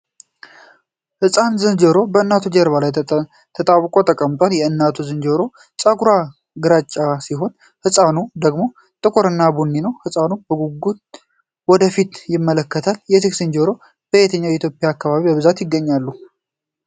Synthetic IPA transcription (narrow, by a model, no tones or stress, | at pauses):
hɨsʼanzɨnd͡ʒəɾo̞bəɨnːat̪ʰud͡ʒɛɾβalaj | t̪ʰət̪ʼaβkʼo̞t̪ʼəkʼəmt̪ʼanjɛɨnːat̪ʰuzɨnd͡ʒoɾo̞ | t͡ʃʼaɡuɾa | ɡɨɾat͡ʃʼːasiɦo̞n | hɨsʼanud̪əɡmo̞ | t̪ʼɨkʰoɾɨnːabunːinəwhɨsʼanubəɡuɡut̪ | wɔd̪əfit̪jɪmːələkːət̪ʰaljɛt̪ɨksɨnd͡ʒoɾo̞ | b̥əjet̪ʰəɲːawjɛit̪ʰjo̞pʼjaːkːaβaβibəβɨzat̪jɪɡːəɲːalːu